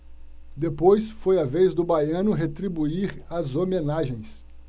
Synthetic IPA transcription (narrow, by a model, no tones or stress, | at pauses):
d̪epojsfojɐvejzd̪ʊbajɐ̃nʊɦet̪ɾibuiɾɐzomẽnaʒẽj̃s